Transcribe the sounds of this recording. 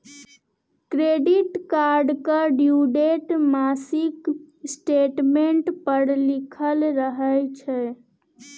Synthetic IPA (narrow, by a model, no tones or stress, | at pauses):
kɾeɖiʈkaɾɖkəɖjuɖeʈmasik | sʈeʈmeɳʈpəɽlikʰəlɾəɦəjt͡ʃʰɛ